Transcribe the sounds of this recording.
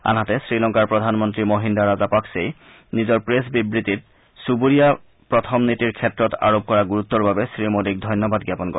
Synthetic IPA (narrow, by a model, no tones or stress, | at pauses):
a̰nɦatɛsɹilɔŋkaɹpɹɔdʱanmɔntɹimoɦindaɹazapaksej | nizɔɹpɹesbibɹitit̚ | subuɹija | pɹɔtʰɔmnitiɹkʰɛtɹɔta̰ɹob̚kɔɹaɡuɹut̪ːɔɹbabɛsɹimodik̚dʱɔjnjɔbadɡjapɔnkɔ̰